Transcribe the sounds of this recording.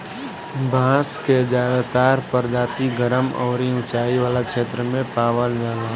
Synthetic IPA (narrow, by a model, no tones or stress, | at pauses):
bʱãːsked͡ʒaːdat̪aːɾpəɾd͡ʒaːt̪iɡəɾəmɔ̰ːɾiʊ̃t͡ʃaːiʋaːlakʃeːt̪ɾəmẽpaːwənd͡ʒaːlã